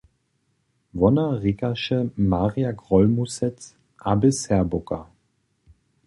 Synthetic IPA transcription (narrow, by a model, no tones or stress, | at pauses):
vɔnɐʁikaʃəmaʁiaɡʁɔlmusɛt͡s | ʔabəshɛɐbʊkɐ̰